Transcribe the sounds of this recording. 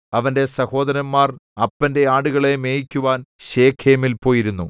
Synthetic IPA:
ɐʋɐnde̞sɐho̞ːd̪ɐɾɐmːaːrɐpːɐnde̞aːɽuɣɐɭe̞me̞ːjikʲːuʋaːnɕe̞ːkʰeːmilpo̞ːjiɾunːu

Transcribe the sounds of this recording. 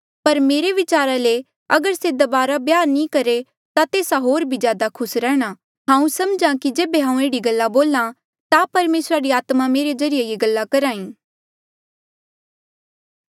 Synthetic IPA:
pɐɾmeːɾeʋɪt͡ʃaːɾale | ɐɡəɾsed̪ɐbaːɾabjaːɾnĩkɐɾe | t̪at̪eːsaɦoːɾbʱizjaːd̪akʰʊsɾɛːɽ̃a | ɦãːũsɐmd͡ʒãkid͡ʒeːbeɦãːũeːɽiɡɐlːaboːlã | t̪apɐɾmeːsɾaɾiaːt̪mameːɾezɐɾɪjejeɡɐlːakɐɾaːĩː

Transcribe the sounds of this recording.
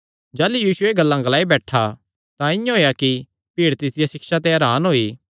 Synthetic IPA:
d͡ʒaːlujiːsʊeɡɐlːãɡɐlaːibɛːʈʰa | t̪ãɪ̃jãɦoːjaki | piːɽt̪ɪsɪjasɪkʃat̪̬eɦɐːɾaːnɦoːiː

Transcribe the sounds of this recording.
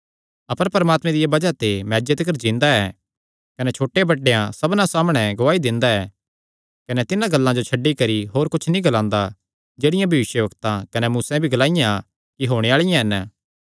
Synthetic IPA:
ɐpəɾpɐɾəmaːt̪mẽd̪ɪjabɐd͡ʒat̪emɛːd͡ʒət̪kəɾd͡ʒĩːnd̪aɛː | kɐnɛt͡ʃʰoːʈːebɐɖːejãsɐbnãsaːmɽ̃ɛɡʊʋaːid̪ɪ̃nd̪aɛː | kɐnɛt̪ɪnãɡɐlːãd͡ʒot͡ʃʰɐɖːikɐɾiɦoːɾkʊt͡ʃʰnĩɡɐlãːnd̪a | d͡ʒeːɽɪjãbʱɐʋɪʃjəʋɐkt̪ãkɐnɛmuːsɛ̃bʱiɡɐlaːɪjã | kiɦoːɽ̃eaːɭɪjãɦɛn

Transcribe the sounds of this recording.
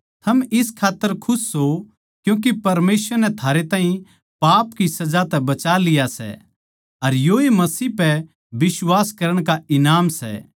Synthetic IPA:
t̪ʰɐmɪskʰaːt̪ːəɾkʰʊsːo | kjũːk̬epɐɾmeːsʋəɾnɛt̪ʰaːɾet̪ãːɦĩ | paːpkisɐd͡ʒat̪ɛbɐt͡ʃalɪjasɛ̰ | ɐɾjoːimɐsiːpɛ | bɪswaːskɐɾəɽ̃kaɪnaːmsɛ̰

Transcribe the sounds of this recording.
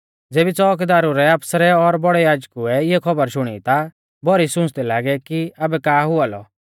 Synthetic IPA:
d͡zeːbit͡sɔːkd̪aːɾuɾɛaːpsɾɛɔɾbɔɽɛjaːd͡ʒkuɛɪɛkʰɔbəɾʃʊɽ̃ḭt̪a | bɔɾisʊ̃t͡ʃd̪ɛlaːɡɛkiɐbɛkaːɦʊalɔ̰

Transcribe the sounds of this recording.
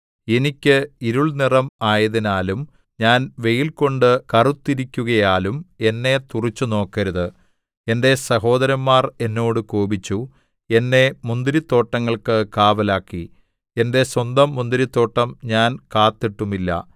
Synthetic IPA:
e̞nikʲːɨiɾuɭnirɐmaːjɐðinaːlum | ɲaːnʋe̞jilko̞ɳɖɨkɐrut̪ːiɾikʲːuɣɐjaːlume̞nːe̞t̪urit͡ɕːuno̞ːkːɐɾuðɨ | e̞nde̞sɐɦo̞ːd̪ɐɾɐmːaːre̞nːo̞ːɽɨkoːbit͡ɕːu | e̞nːe̞mund̪iɾit̪ːo̞ːʈːɐŋːɐɭkɨkaːʋɐlaːkːi | e̞nde̞swɐnd̪ɐmːund̪iɾit̪ːo̞ːʈːɐmɲaːnkaːt̪ːiʈːumilːɐ̰

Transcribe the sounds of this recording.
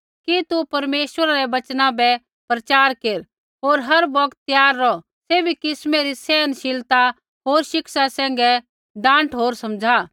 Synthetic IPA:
kit̪upɐɾmeːʃwəɾaɾɛʋɐt͡ʃnãbɛ | pɾɐt͡ʃaːɾkeːɾ | ɦoːɾɦɐɾbɔkt̪ːjaːɾːɔ | seːbʱikɪsmeɾisɛːnʃɪlt̪a | ɦoːɾʃɪksasɛ̃ːŋ̆ɡɛ | ɖãːɳʈɦoːɾsɐ̃md͡ʒʱa

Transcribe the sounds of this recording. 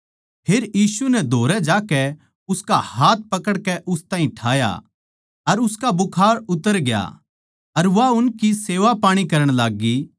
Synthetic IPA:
pʰeːɾjiːsunɛd̪ʱoːɾɛd͡ʒaːkɛ | ʊskahaːt̪̚pɐkəɽkɛʔʊst̪aːɦĩʈʰa̰ːja̰ | ɐɾʊskabʊkʰaːɾʊt̪əɾɡɪja̰ | ɐɾʋaʊnkiseːʋapaːɽ̃ikɐɾəɽ̃laːɡːi

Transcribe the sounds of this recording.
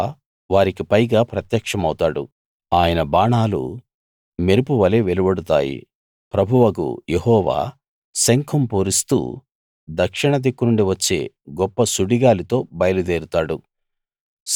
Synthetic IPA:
ʋaːɾikipɐjɡaːpɾɐt̪jɐkʂɐmɐwut̪aːɽṵ | aːjɐnɐbaːɳaːlṵ | meɾupuʋɐleːʋelubɐɽut̪a̰ːjḭ | pɾɐbʱuʋɐkṵjehɔːʋa̰ː | sɐŋkʰɐmpoːɾist̪ṵː | d̪ɐkʂiɳɐd̪ekːunuɳɖiʋɐt͡ʃːe̞̰ːɡɔpːɐsuɽiɡaːlit̪o̞ːbɐjɐlud̪eːɾut̪aːɽu

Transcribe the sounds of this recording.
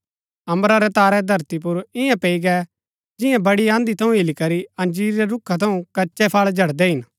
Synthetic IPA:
ɐ̃mɾaɾɛt̪aːɾɛd̪ʱɐɾt̪ip̬ʊɾɪjãpeːiɡɛ | d͡ʒɪ̃jãbɐɽiãːnd̪it̪ʰɐũɪlikɐɾiɐ̃nd͡ʒiːɾːɛɾʊkʰːat̪ʰɐũkɐːt͡ʃʃɛpʰaːɭd͡ʒʱɐɽd̪ɛɦɪn

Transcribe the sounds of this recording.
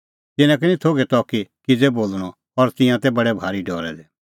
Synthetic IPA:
t̪ɪnãk̬nĩt̪ʰoːɡɛt̪ɔkikɪd͡zɛboːlɽ̃ɔ | ɔɾt̪ɪ̃jãt̪ɛbɐɽɛbʱaːɾiɖɔːɾɛd̪ɛ

